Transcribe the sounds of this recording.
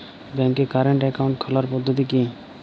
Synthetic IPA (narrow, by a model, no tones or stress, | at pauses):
bɛŋkekaɾeɳʈɛkaw̃ɳʈkʰɔlaɾpɔd̪ʱːot̪̬iki